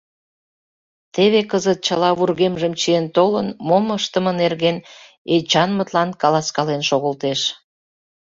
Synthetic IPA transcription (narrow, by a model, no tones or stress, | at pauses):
t̪eβekəzət̪̚t͡ɕəlɑβurɣemʒəmt͡ɕijent̪olənmoməʃt̪əmənerɣen | et͡ɕɑnmət̪lɑnkɑlɑskɑlenʃoɣəlt̪eʃ